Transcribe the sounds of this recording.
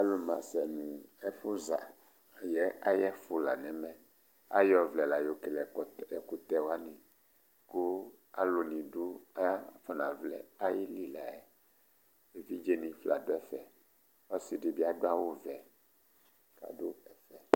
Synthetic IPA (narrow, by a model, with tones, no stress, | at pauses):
a˦lo˨mã̰˨sɛ˨nũ˨ɛ˦fo˦za˨ | jɛ˦a˦jɛ˦fo˨la˨nɛ̃˨mɛ̃˦ | a̰˦jɔ˨vlɛ˨la˨jo˨ke˨lɛ˨ɛ˨ku˨t̪ɛ˦wa˦nĩ˨ | ku˦ | a̰˦lo˨nĩ˨ɖo˦a˦fɔ˨nã˨vlɛ̰˨a˦ji˦li˦la˨ɛ˨ | e˨vi˦d͡ʒe˦nĩ˨fla˨do˦ɛ˦fɛ˨ | ɔ˦si˨ɖi˨bi˦a˨do˦a˦wo˦vɛ˨ | ka̰˨do˦ɛ˨fɛ˨